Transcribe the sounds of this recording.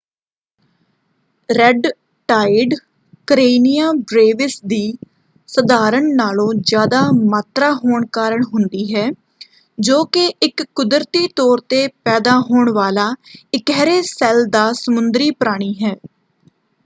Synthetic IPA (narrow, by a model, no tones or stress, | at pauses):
ɾɛɖ | ʈaːɪɖ | kəɾeːnɪjaːbɾeːʋɪsd̪iː | səd̪aːɾəɳnaːlõːzjaːd̪aːmaːt̪ɾaːɦoːɳkaːɾəɳɦʊnd̪iːɦɛː | d͡ʒoːkeʔɪkːʊd̪ɾt̪iːt̪ɔːɾt̪eːpɛːd̪aːɦoːɳʋaːlaːɪkɛːɾeːsɛːld̪aːsəmʊnd̪ɾiːpəɾaːɽ̃iːɦɛː